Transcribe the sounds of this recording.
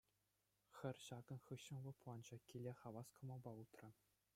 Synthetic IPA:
xʲɘ̆rʲɕɑɡɤ̆nχɯɕːɤ̆nʋɤ̆pulˠɑnd͡ʑɑkʲilʲeχɑʋɑskɤ̆mɑlˠbɑut̪rɤ̆

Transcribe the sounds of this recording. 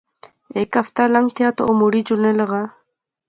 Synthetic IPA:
ekaft̪alaŋt̪ʰjat̪o̰omuɽid͡ʒulneləɣa

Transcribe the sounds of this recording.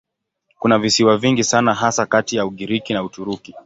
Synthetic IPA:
kunavisiwaviŋɡisanaɦasakatijauɠiɾikinautuɾuki

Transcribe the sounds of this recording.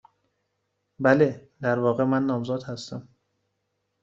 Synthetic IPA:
bæled̪æɾvɒːɣemænːɒːmzɒːd̪hæst̪æm

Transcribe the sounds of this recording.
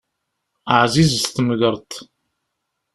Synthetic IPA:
ʕzizst̪əməðəɾˤt̪

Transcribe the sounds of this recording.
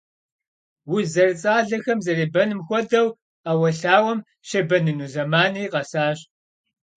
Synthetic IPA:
wʊzɐrɨt͡sʼaːɮɐxɐmzɐreːbɐnɨmxʷɔdɐw | aːwɐɬaːwɐm | ʃɐbɐnɨnuːzɐmaːniːqɐsaːɕ

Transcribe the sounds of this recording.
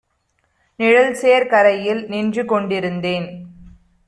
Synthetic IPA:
nɪɻɐlseːɾkɐɾɐjɪlnɪndrɯkɔɳɖɪɾɯnd̪eːn

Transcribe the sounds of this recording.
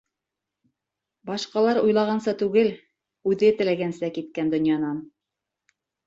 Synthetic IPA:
bɑʃqɑlˠɑɾujlˠɑʁɑnsɑt̪ʉɡɘl | ʉðɘt̪ɘ̆læɡænsækit̪̚kænd̪ŏnjɑnɑn

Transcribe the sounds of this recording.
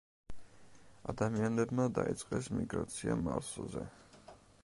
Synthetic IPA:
ad̪amianɛbmad̪ait̪sʼqʼɛsmiɡɾat̪sʰiamaɾszɛ

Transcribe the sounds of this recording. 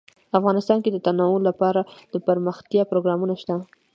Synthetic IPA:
afɣɑnɪst̪ɑnked̪ət̪anɑwʊlːapɑɾad̪̥əpəɾməxt̪jɑpɾoɡɾɑmunaʃt̪a

